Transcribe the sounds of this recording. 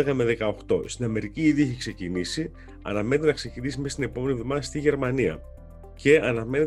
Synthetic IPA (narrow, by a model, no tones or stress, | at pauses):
eɣɐmeðe̞kɐo̞xt̪o̞st̪inɐme̞ɾiciiðieçekse̞cinisi | ɐ̰nɐme̞net̪enɐkse̞cinisime̞st̪ine̞po̞me̞nivðomɐðɐst̪iʝe̞ɾmɐniɐ̰ | ce̞ɐnɐme̞net̪